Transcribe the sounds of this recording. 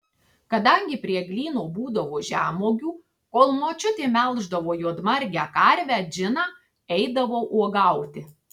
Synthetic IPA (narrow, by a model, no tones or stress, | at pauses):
kɐd̪ɐŋʲɡʲɪpʲɾʲiɛɡlʲiːnoːbuːd̪ɐʋoːʒʲæːmoːɡʲuː | koːlˠmoːt͡ʃʲʊt̪ʲeːmʲɛlˠʒd̪ɐʋoːjuɔd̪mɐɾʲɡʲæːkɐɾʲʋʲæːd͡ʒʲɪnɑː | ɛɪd̪ɐʋoːʔuɔɡɐˑʊt̪ʲɪ